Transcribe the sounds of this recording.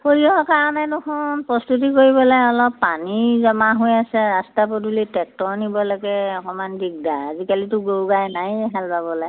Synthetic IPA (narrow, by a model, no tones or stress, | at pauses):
poɹiɔɔkaɹɔnɛnʊkʰɔnpɹɔstut̬ikoɹibɔlajɔlɔpːanizɔmaɦojasɛɹastapɔdulitɛk̚tɔɹnibɔlaɡɛɔkɔmanbiɡ̚daːzikalitʊɡowɡajnajɦalpabɔlaj